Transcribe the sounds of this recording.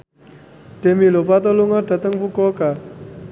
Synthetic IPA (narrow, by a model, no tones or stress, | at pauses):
t̪emilopat̪ɔluŋat̪ət̪əŋpukɔka